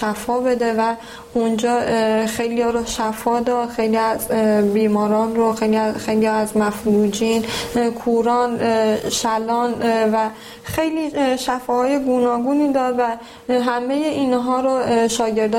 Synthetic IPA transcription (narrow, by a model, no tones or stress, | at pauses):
ʃæfɒːbe̞d̪e̞væ | und͡ʒɒːxejlijɒɾoʃæfɒːd̪ɒd̪xejliæzbiːmɒːɾɒːnɾoxejliæxejliæzmæfɾɾuːd͡ʒiːnkʰuɾɒːnʃælɒːnvæ | xejliʃæfɒːhɒːje̞ɡunɒːɡuːniːd̪ɒːɾvæ | ɦæmejeʔiːnɦɒːɾoʃɒːɟe̞ɾd̪ɒ